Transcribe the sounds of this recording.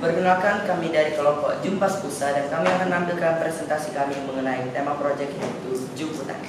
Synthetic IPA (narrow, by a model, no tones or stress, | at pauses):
bərɡəŋalkankamidaɾikəlɔmpɔʔd͡ʒumpaspusadankamiakanambɪlkanpɾesɛnt̪asikamiməŋənait̪emapɾod͡ʒɛk̚inait̪ud͡ʒumput̪a̰